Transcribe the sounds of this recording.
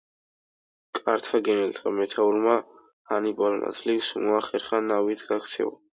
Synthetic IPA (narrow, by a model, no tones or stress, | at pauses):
kʼaɾt̪ʰaɡɛnɛlt̪ʰamɛt̪ʰauɾma | hanibʼalma̰sʰliksmuaχɛɾχanavit̪ʰɡakʰt̪sʰɛ̰ɔ̰